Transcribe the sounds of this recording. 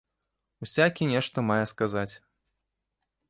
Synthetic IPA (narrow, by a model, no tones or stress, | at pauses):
wsʲakʲinʲɛʂt̪ɐmajɛskazat͡sʲ